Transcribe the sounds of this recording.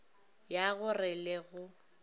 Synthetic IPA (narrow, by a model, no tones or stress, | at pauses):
jaɣʊrɪleɣʊ